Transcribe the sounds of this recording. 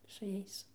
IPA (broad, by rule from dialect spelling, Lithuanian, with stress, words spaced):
sʊ ˈjɛɪs